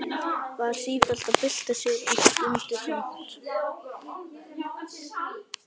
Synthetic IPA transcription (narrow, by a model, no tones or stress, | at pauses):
kʰvaðsiːt̪al̥t̪aðpɪl̥t̪asɪɣiʏnt̪ʏɪnt̪